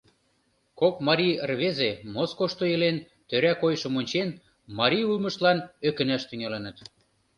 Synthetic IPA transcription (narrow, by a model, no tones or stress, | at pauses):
kok̚mɑɾʲijərβezemoskoʃt̪oelen | t̪øɾækojʃə̆monʲt͡ɕen | mɑɾʲiulmə̆ʃlɑnøkə̆næʃt̪yŋælenə̆t̪